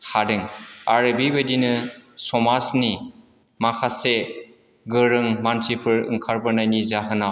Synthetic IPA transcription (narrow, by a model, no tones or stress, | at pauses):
hadɯŋaɾɯbibedinɯsɔmasni | makʰase | ɡɯɾɯŋmansipʰɯɾɯ̰ŋkʰaɾbɯɾnajnizaɦɯnaw